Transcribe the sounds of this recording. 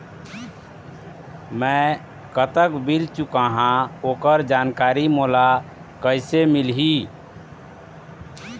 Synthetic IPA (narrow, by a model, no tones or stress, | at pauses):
mɛ̃ | kət̪əkbilt͡ʃukaɦãoːkəɾd͡ʒaːnkaːɾimoːla | kəɪsemilɦi